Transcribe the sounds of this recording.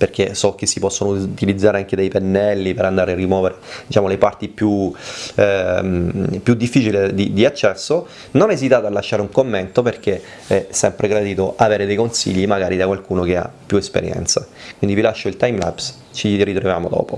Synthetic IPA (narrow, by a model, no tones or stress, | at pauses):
perk̟esɔk̟ːesːipɔsːonot̪ilid̪zːaːɾeaŋk̟ed̪ejpenːɛlːipeɾand̪aːɾearːimwɔːveɾed̪it͡ʃaːmolepart̪ipju | pjud̪ːifːiːt͡ʃilid̪id̪iat͡ʃːɛsːo | nonezit̪aːt̪oalːaʃːaːɾeuŋkomːent̪operk̟e | ɛsːɛmpɾeɡɾad̪iːt̪oʔaveːɾed̪ejkonsḭʎːimaɡaːɾid̪akwalkuːnokea̰pːjuespḛɾjɛ̰nt̪sakwind̪ivilaʃːoilt̪ajmla̰ps | t͡ʃirit̪ɾovjaːmo̰d̪ɔ̰ːpo